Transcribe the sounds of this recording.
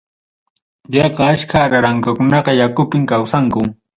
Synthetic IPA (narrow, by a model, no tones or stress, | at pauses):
jɑqɑaʃkʰaɾaɾaŋkakʊnɑqɑjakʊpɪŋkawsaŋkʊ